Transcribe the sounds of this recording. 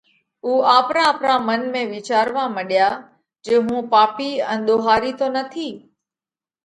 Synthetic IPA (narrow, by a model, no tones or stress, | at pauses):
uːaːpɾãːpɾãmənmẽʋɪt͡ʃaːɾʋaməɗijaː | d͡ʒeːɦũːpaːpiːɛ̃nɗ̪oːɦaːɾit̪onət̪ʰiː